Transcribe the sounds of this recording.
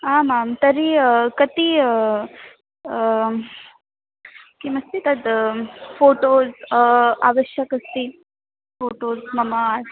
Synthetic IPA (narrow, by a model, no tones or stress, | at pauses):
aːmamt̪ɐɾiəkɐt̪iə | kimɐst̪it̪ɐd̪foːʈoːza̰ːʋəʃjəkɐst̪i | foːʈoːzmɐmaɾ